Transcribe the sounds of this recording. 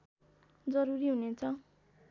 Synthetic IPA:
d͡zʌɾuɾiɦunet͡sʰʌ

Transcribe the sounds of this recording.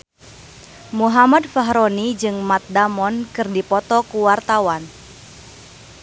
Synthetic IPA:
muɦamadfaɦɾonid͡ʒɨŋmat̪̚damɔnkɨrdipɔt̪ɔkuwart̪awan

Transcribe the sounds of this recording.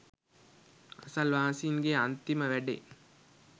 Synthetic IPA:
ɐsɐlʋaːsiːŋɡeɐnt̪iməʋæɖḛ

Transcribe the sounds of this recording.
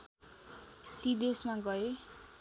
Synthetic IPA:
t̪id̪esmaɡʌe

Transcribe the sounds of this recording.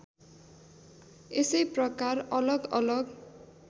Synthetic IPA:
esʌjprʌkarʌlʌɡʌlʌɡ

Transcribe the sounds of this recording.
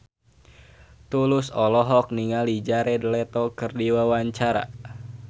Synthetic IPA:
t̪ulʊsɔlɔɦɔk̚niŋalid͡ʒaɾedəlɛt̪ɔkɨrdiwawaɲt͡ʃaɾa̰

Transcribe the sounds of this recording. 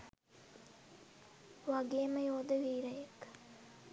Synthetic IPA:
ʋaɡejməjoːd̪əʋiːɾɐjɐk

